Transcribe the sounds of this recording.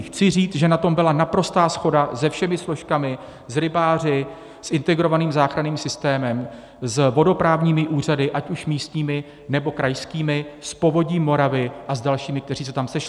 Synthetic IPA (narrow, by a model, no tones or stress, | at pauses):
xt͡sɪriːt͡sʒɛnat̪o̞mbɪlanapɾo̞st̪aːsxo̞dazɛfʃɛmɪslo̞ʃkamɪ | zɾɪbaːr̝ɪ | sʔɪnt̪ɛɡɾo̞vaniːmzaːxɾaniːmsɪst̪ɛːmɛm | zvo̞do̞pɾaːvɲiːmɪʔuːr̝adɪʔacuʃmiːst̪ɲiːmɪ | nɛbo̞kɾajskiːmɪspo̞vo̞ɟɲiːmo̞ɾavɪʔazdalʃiːmɪk̚t̪ɛɾriːsɛt̪amsɛʃɪ